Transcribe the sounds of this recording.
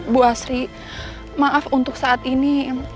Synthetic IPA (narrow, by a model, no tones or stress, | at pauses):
buasɾi | maʔafunt̪ʊksaʔːt̪ini